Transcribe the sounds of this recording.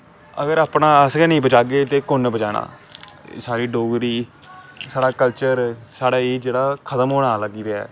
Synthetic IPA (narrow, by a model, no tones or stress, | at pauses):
əɡəɾaːpnaːəsɡɛːnĩːbət͡ʃaːɡeːt̪eːkʊnbət͡ʃaːɽã̰ː | saːɾiːɖoːɡɾiː | saːɽaːkəlt͡ʃəɾsaːɽaːiːd͡ʒeːɽaːkʰət̪əmɦoːɽaːləɡiːɾeɛ̰ː